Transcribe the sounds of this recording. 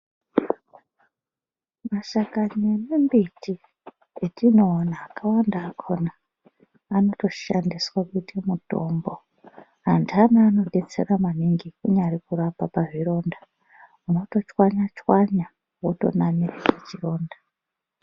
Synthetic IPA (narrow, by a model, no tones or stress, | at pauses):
maʃakaɲenembiti | etʰino̞ːnaːkawandaːkʰo̞naː | no̞to̞ʃandiswakutimuto̞̰mbo̞ | ɦandanaːno̞ɗe̞t͡sḛramaniŋɡikuɲarikurapapaʐiro̞nda | uno̞to̞t͡ʃwaɲat͡ʃwaɲa | woto̞̰namirekat͡ʃiro̞ːnda